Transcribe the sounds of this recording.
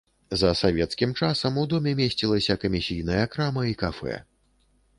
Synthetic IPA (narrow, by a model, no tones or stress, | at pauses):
zɐsavʲɛt̪skʲimt͡ʂasɐmud̪ɔmʲɛmʲesʲt͡sʲilˠɐsʲɐkɐmʲisʲijn̪ɐjɐkɾamɐikafɛ̰